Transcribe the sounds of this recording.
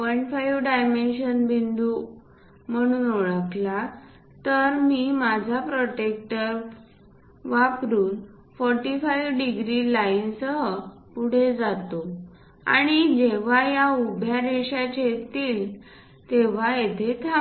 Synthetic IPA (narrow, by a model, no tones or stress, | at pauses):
əɳfajʋɖajmenɕənbind̪u | m̤əɽ̃uːnoɭəkla | t̪əɾmiːmad͡zʱapɾɔʈek̚ʈəɾ | ʋakɾuːn | fɔɾʈifajʋɖiɡɾilainsəɦə | puɽ̤ed͡zat̪o | a̰ɽ̃id͡ʑeʋ̤ajaubʱjaɾeɕat͡ɕet̪iːl | t̪eʋ̤ajet̪ʰet̪ʰa